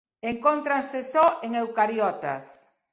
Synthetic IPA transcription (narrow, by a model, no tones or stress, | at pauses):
eŋkont̪ɾansesɔʔeŋewkaɾjɔt̪a̰s